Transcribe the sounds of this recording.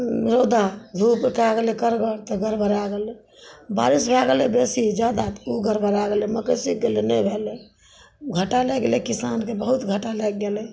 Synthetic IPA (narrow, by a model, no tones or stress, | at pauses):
ɾod̪ʱad̪ʱupɾkeaɡelɛkəɾɡəɽt̪ɔɡʱəɾbʱəɾaɡelɛ | ba̰ɾisbʱaɡelɛbesid͡ʒjad̪at̪uɡʱəɾbʱəɾaɡelɛməkəsik̚ɡelenɛbʱelɛ | ɡʱəʈalɛɡelɛkisankebəɦut̪ɡʱəʈalɛɡːelɛ